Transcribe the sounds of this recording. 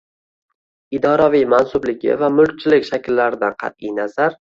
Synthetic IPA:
ɪd̪ɒɾavijmansʊblɪɡʲɪ̰vamʊlk̚ʲt͡ʃʰɪlɪkʲʃakʲlːaɾɪd̪anqʰɑ̰t̪̚ijnazaɾ

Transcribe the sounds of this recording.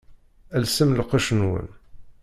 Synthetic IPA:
ælsəmlqɑʃənwə̰n

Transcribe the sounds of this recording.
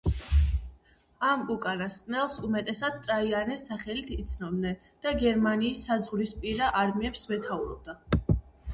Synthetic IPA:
amukʼanaskʼnɛlˠsumɛt̪ʼɛsad̪̚t̪ʼɾaianɛsaχɛlit̪ʰit̪sʰnɔbnɛ | d̪̥aɡɛɾmaniːsːazʁɾispʼiɾaʔaɾmiɛpsmɛt̪ʰauɾɔ̰b̚d̪a

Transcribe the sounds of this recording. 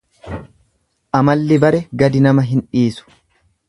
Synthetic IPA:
ʔɐmɐlːɪbɐɾɛɡɐd̪ɪnɐmɐɦɪnᶑiːsʊ̥

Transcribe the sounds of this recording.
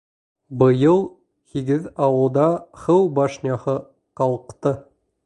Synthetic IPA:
bɤ̆jɤlˠ | hiɡɘðɑwɤ̆lˠd̪ɑχɤwbɑʃnʲɑhɤ | qɑlˠqt̪ɤ

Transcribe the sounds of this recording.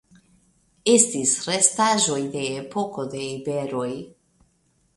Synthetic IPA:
est̪isrest̪aʒojd̪eːpokod̪eibeɾoj

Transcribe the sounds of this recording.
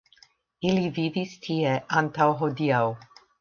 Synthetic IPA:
ilivivist̪ʰiɛʔant̪awɦɔd̪iaw

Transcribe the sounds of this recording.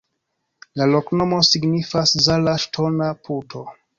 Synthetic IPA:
lalokno̞mo̞siɡnifaszalaʃtʰonapʰutʰo̞

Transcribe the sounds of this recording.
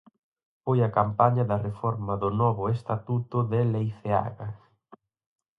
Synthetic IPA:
fojɐkampaɲɐðɐrefɔɾmɐðʊnɔβʊest̪at̪ut̪ʊðɪlejθea̰ɣa

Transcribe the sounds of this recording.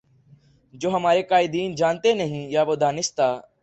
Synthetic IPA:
d͡ʒoːɦəmaːɾeːkaːɪd̪iːnd͡ʒaːnt̪eːnəɦĩjaːbod̪ʱaːnɪst̪aː

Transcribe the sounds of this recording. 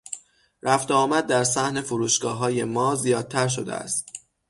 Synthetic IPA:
ɾæft̪eɒːmæd̪̚ːæɾsæhne̞foɾuːʃɡ̥ɒːɦɒːje̞mɒːzijɒːd̪̚t̪ʰæɾʃ̬od̪ḛæ̰st̪̚

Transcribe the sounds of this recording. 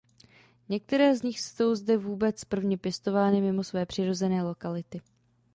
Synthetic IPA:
ɲɛk̚t̪ɛɾɛːzɲɪxso̞wzdɛvuːbɛt͡spr̩vɲɛpjɛst̪o̞vaːnɪmɪmo̞svɛːpr̝̥ɪɾo̞zɛnɛːlo̞kalɪt̪ɪ

